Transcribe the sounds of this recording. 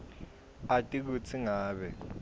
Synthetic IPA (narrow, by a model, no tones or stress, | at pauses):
atʼik̬ut͡sʰiŋaːɓɛ